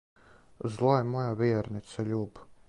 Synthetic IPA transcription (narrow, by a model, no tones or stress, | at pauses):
zlˠɔjmɔjaviɛɾnit̪saʎʲub